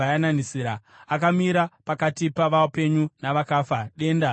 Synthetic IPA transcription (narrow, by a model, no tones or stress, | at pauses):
ajananisiːɾa | akamiɾapakatipaʋape̞ɲunaʋakaːfaɗe̞ːnda